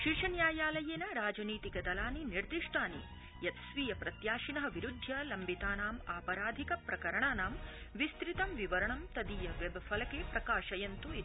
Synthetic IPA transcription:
ʃiʂɐnjaːjaːlɐjeːnɐɾaːd͡ʒɐniːt̪ikɐd̪ɐlaːniniɾd̪iʂʈaːnḭ | jɐt̪sʋiːjɐpɾɐt̪jaːʃinɐɦɐ̆ʋiɾud̪ʱjɐlɐmbit̪aːnaːmaːpɐɾaːd̪ʱikɐpɾɐkɐɾɐɳaːnaːmʋist̪ɾit̪ɐmʋiʋɐɾɐɳɐmt̪ɐd̪ijɐʋebɐfʰɐlɐkeːpɾɐkaːʃɐjɐnt̪ui

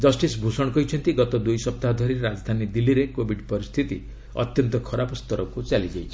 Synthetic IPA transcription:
d͡ʒʌsʈisbʱusɔɽ̃ɔkɔjt͡ʃʰɔnt̪iɡɔt̪ɔd̪ujsɔp̚t̪ad̪ʱɔɾiɾɾad͡ʒɔd̪ʱanid̪ilːiɾekobʱiɖpɔɾist̪ʰit̪ḭ | ɔ̰t̪jɔnt̪ɔkʰɔɾapɔst̪ɔɾɔkut͡ʃalid͡ʒajt͡ʃʰi̥

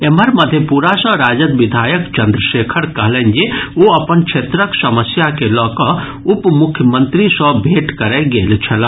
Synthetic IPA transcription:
eməɾmɐd̪ʱjepuːɾasɔ̃ɾaːd͡ʒəd̪ʋid̪ʱaːjəkt͡ʃɐ̃nd̪ɾəʃeːkʰəɾkɐɦlend͡ʒeoɐpənkʃʰeːt̪ɾəksɐməsjakelɔːkɔɦ | ʊpmʊkʰːjəmə̃nt̪ɾisɔ̃bʱeːʈkɐɾeɡeːlt͡ʃʰɐla

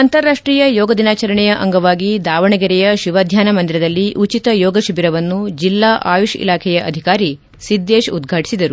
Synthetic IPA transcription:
ɐnt̪ɐɾːaːʂʈɾiːjɐjɔːɡɐd̪inaːt͡ʃɐɾɐɳɛjɐʔɐ̰ŋɡɐʋaːɡid̪aːʋɐɳɛɡɛɾɛjɐʃiʋɐd̪ʱjaːnɐmɐnd̪iɾɐd̪ɐlːiʔut͡ʃit̪ɐjɔːɡɐʃibiɾɐʋɐnːud͡ʒilːaːʔaːjuʃḭlaːkʰɛjɐʔɐ̰d̪ʱikaːɾi | sid̪ːeːʃud̪ɡʱaːʈisid̪ɐɾu

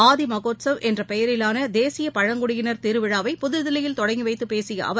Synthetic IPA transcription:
aːðimɐɣoːʈsɐʋʔɛndrɐpɛjɐɾɪlaːnɐd̪eːsɪjɐpɐɻɐŋɡʊɽɪɣɪnɐɾt̪ɪɾɯʋɪɻaːʋɐɪpʊðɪɾðɪlɪjɪlt̪ɔɽɐŋɡiʋɐɪt̪ːɯpːeːsɪjɐ̰ʔɐ̰ʋɐ

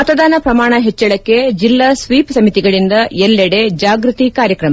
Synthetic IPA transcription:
mɐt̪ɐd̪aːnɐpɾɐmaːɳɐɦet͡ʃːɐɭɐkːe̞d͡ʒilːɐsʋiːpsɐmit̪iɡɐɭind̪ɐjelːeɽe̞d͡ʒaːɡɾut̪ikaːɾjɐkɾɐmɐ

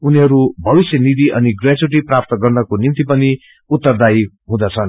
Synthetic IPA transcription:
uniɦʌɾubʱʌbisjʌnid̪iʔʌniɡrad͡zuʈ̬iprap̚t̪ʌɡʌrnʌkonimt̪ipʌni | ut̪ːʌrd̪aj | ɦũd̪ʌt͡sʰʌn

